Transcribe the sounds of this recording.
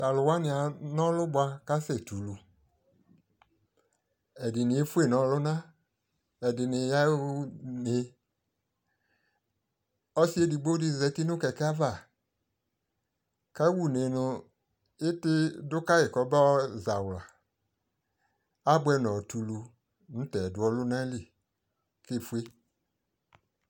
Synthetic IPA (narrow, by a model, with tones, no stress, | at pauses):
ta˨lʊ˨wa˦nɪ˨a˨nɔ˦lʊ˦ba˧ka˦sɛ˨tu˨lu˧ | ɛ˨dɪ˨nɪ̃˨e˦fu˦e˦˨nɔ̃˨˦lʊ˦nã˦ | ɛ˨dɪ˨nɪ˨ja˦u˦ne˨ | ɔ˦si˦e˦di˨ɡ͡bo˦di˧˨zɛ˨˦ti˦nʊ˦kɛ˨kɛ˦a˦va˦˨ | ka˦wu˦˨ne˨nʊ˧ | ɪ˦tɪ˦dʊ˦ka˦jɪ˨kɔ˨bɛ˦ɔ˦za˨wla˨ | a˦bwɛ˧˦nɔ̃˨tu˨lu˧ | nʊ̃˦tɛ˨dʊ˨˦ɔ˦lʊ˦nã˦li˦˨ | ke˦˨fu˦e˦